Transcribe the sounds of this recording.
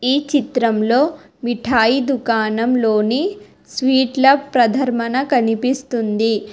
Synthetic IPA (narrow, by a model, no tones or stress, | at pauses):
iːt͡ʃit̪ɾɐmlo̞ː | miʈʰaːjid̪ukaːnɐmloːni | sʋiːʈlɐpɾɐd̪ʱɐɾmɐnɐkɐnipist̪und̪i